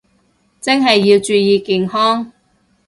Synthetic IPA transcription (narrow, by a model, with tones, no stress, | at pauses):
t͡sɪ˥ŋɦɐ˨jːiː˧wt͡ʃyː˨˧jiː˨˧ki˨˧ŋɦɔː˥ŋ